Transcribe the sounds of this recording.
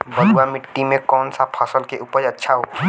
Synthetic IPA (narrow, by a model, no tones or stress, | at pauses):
bəd̪ʱuamɪʈːimẽkɔːnsapʰaːsəlkeʔupəɾɐtːʃʰaɦo